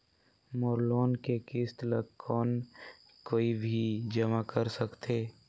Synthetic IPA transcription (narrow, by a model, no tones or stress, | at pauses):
mɔːɾloːnkekɪst̪ləkʰɔːn | koːibʱid͡ʒəmakəɾsəkt̪ʰeː